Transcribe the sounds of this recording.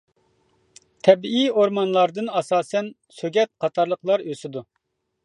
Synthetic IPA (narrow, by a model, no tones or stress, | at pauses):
t̪ʰɛbiioɾmɑnlˠɑɾd̪ɨnɑsɑːsɛn | søɡʲɛt̪̚qʰɑt̪ʰɑɾlˠəqlˠɑɾøsɪd̪u